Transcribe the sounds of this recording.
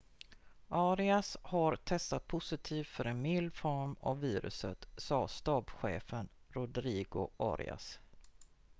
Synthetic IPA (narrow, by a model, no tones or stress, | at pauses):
ʔaːɾɪashaɾt̪ʰɛst̪at̪̚pʰʊsɪt̪ʰiːft̪fœɾɛnmɪlːfɔɾma̰vːiːɾɵ̰sət̪sɑːst̪ɑːbɧḛːfən | ɾʊd̪ɾiːɡʊʔa̰ːɾɪ̰a̰s